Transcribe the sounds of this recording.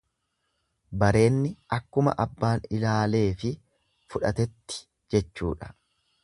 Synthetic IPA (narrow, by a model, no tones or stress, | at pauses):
bɐɾe̞ːnːɪʔɐkːʊmɐ̰ʔɐbːaːnɪlaːle̞ːfɪ | fʊᶑɐt̪ɛt̪ːɪ̥ | d͡ʒɛt͡ʃːṵːᶑɐ̥